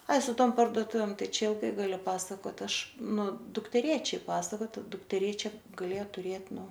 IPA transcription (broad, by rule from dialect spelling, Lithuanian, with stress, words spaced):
ˈɐɪ sʊ ˈtoːm pɐrdoːˈtʊʋʲeːm ˈtɐɪ ˈt͡ʃʲɛ ɪlˠˈɡɐɪ ɡɐlʲʊ ˈpɑːsɐkoːt ˈɐʃ ˈnʊ dʊktʲɛˈrʲeːt͡ʃʲɛɪ ˈpɑːsɐkoːt dʊktʲɛˈrʲeːt͡ʃʲɛ ɡɐˈlʲeːjɛ tʊˈrʲeːt ˈnʊ